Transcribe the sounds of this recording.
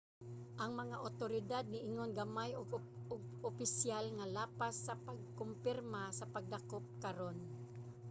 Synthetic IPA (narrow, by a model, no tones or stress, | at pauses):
ʔɐŋmɐŋaʔot̪oɾɪd̪ad̪̚nɪʔɪŋonɡɐmajoɡ | oɡ̚opɪsjalŋalaːpasːɐpaɡ̚kompɪɾmasɐpɐɡ̚d̪akop̚kaɾon